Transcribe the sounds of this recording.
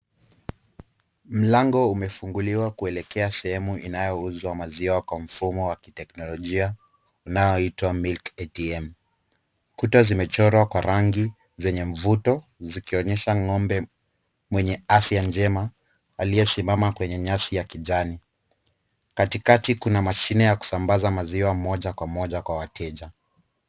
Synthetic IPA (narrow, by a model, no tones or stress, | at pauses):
m̩laŋɡɔumɛfuŋɡuliwakuɛlɛkɛasɛhɛmuʔinajɔuzwamaziwakwam̩fumɔwaki̥tɛknɔlɔʄia | unajɔitwamilkɛtiɛm | kutazimɛt͡ʃɔɾwakwaɾaŋɡi | zɛɲɛɱvutɔzikiɔɲɛʃaŋɔmbɛ | mwɛɲɛafjand͡ʒɛma | alijɛsimamakwɛɲɛɲasijakiʄani | katikatikunamaʃinɛjaku̥sambazamaziwamɔʄakwamɔʄakwawatʰɛʄa